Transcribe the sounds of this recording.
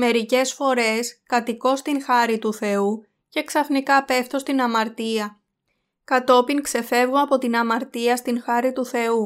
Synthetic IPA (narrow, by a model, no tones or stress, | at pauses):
me̞ɾice̞sfo̞ɾe̞skɐt̪iko̞st̪iŋxɐɾit̪uθe̞u | ce̞ksɐfnikɐpe̞ft̪o̞st̪inɐmɐɾt̪iɐ | kɐt̪o̞piŋkse̞fe̞vɣoɐpo̞t̪inɐmɐɾt̪iɐst̪iŋxɐɾit̪uθe̞u